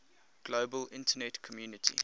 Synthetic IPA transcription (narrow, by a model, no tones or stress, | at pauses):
ɡ̥loːbəlɪ̃ntʰənɛtkʰɔmjuːnɪtʰḭ